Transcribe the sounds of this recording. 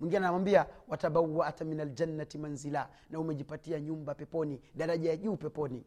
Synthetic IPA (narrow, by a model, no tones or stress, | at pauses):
mwiŋɡianawambiawataɓawaʔataminald͡ʒanːatimanzila | naumɛʄipatiaɲumbapɛpɔniɗaɾaʄajaʄuːpɛpɔni